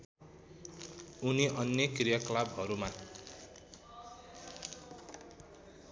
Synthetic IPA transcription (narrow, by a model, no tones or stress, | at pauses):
uniʔʌnjʌkrijʌklabɦʌɾuma